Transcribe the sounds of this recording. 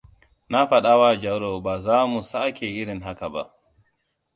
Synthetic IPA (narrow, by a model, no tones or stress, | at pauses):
nafaɗawad͡ʒawɾɔbazaːmusaʔkʰɛiɾinɦakaba̰